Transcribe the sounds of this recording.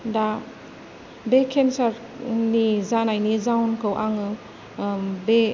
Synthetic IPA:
da | bekʰensaɾ | nizanajnizawnkʰɯwʔaŋɯ | be

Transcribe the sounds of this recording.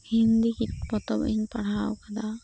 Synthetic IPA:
hind̪ikit̪pɔt̪ɔbḭɲpaɽ̤awkad̪a

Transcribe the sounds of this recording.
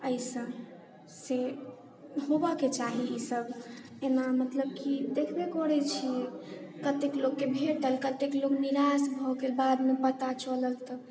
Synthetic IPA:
əisə̃ | se | ɦobaket͡ʃaɦiisəbʱ | enamət̪ləb̚kid̪ekʰbekɔɽɛt͡ʃʰiɛkət̪ekloɡːebʱeʈəlkət̪eklokniɾasbʱɔkelbad̪mepət̪at͡ʃələlt̪ɔ

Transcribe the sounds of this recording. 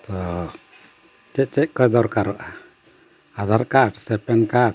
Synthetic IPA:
t̪ɔ | t͡ʃɛc̚ˀt͡ʃɛc̚ˀkɔd̪ɔɾkaɾaʔa | ad̪ʱaɾkaʈsɛpɛnkaʈ

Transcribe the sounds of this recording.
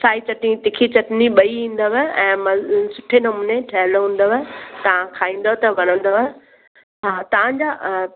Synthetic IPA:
saːit͡ɕɐʈnĩt̪ɪkʰit͡ɕɐʈniɓɐiĩːn̆d̪əʋəɛ̃ːmɐ̃sʊʈʰenɐmʊneʈʰɐɦɪloɦũːn̆d̪oʋt̪ɐʋ̤ãkʰaːĩːn̆d̪ot̪ɐʋɐɽ̃ə̃nd̪oʋ | ɦaːt̪ɐʋ̤ãɲd͡ʑa

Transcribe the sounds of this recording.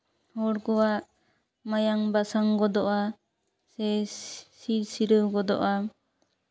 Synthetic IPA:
hɔɽɡɔwaʔ | majaŋbasaŋɡɔd̪ɔʔa | sɛsiɾsiɾəwɡɔd̪ɔ̰ʔa

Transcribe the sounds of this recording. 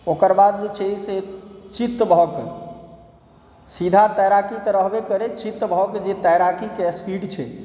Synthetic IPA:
okəɾbad̪̚d͡ʒet͡ʃʰeiset͡ʃit̪ːbɦɔke | sid̪ʱat̪əjɾakik̪eɾəɦbekəɾet͡ʃit̪ːbɦɔked͡ʒet̪əjɾakikespiɖt͡ʃʰɛ

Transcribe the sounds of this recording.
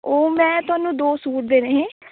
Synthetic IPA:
oːmɛ̃ːt̪ʊaːnũːd̪oːsuːɾd̪eːɾeːɦẽː

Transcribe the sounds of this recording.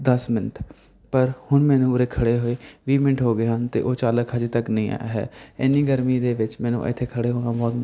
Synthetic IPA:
d̪əsmɪnəʈʰ | pəɾhʊɳmɛːnũːʊɾeːkʰəɽeːɦoːeːʋiːmɪ̃ɳʈʰɦoːɡeːɦənt̪ḛːʔoːt͡ʃaːləkɦəd͡ʒːt̪əknəĩːa̰a̰ɦɛ̰ːɪnːiːɡəɾmĩːd̪eːʋɪt͡ʃmɛ̃ːnṵ̃ːʔə̰t̪ʰːeːkʰəɽeːɦoːnãːbaːɡn

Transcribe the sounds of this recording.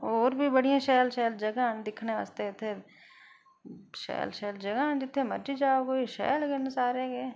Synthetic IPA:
ɔːɾbʱibɐɽijãʃɛːlʃɛːld͡ʒɐɡãːnd̪ɪkʰneʋa̰ːst̪et̪ʰːe | ʃɛ̰ːlʃɛːld͡ʒɐɡãːnd͡ʒɪt̪ʰːemɐɾd͡ʒid͡ʒaːokoiʃɛ̰ːlkenʊsaːɾẽkeː

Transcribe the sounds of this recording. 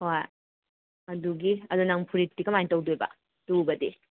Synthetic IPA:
hoj | ɐduɡiɐdunaŋpʰuɾitːikɐmajntɐwduebɐ̰ | tubɐde

